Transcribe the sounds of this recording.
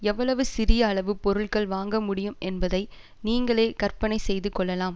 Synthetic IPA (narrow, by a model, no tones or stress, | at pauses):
ɛʋːɐɭɐʋɯsɪɾɪjɐːɭɐʋɯpɔɾɯɭɣɐɭʋaːŋɡɐmʊɽɪjɯmɛnbɐðɐɪ | niːŋɡɐɭeːkɐɾpɐnɐɪsɛjðɯkːɔɭːɐlaːm